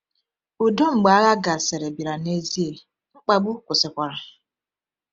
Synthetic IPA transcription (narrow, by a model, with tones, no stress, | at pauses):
u˨do˦ŋ͡m̩˨ɡ͡ba˨a˦ɣa˦ɡa˨se˨ɾe˨bi˨ɾa˨ne˦zi˦e˨ | ŋ͡m̩˦k͡pa˦ɡ͡bu˦kʷʊ˨sɪ˨kʷa˨ɾa˨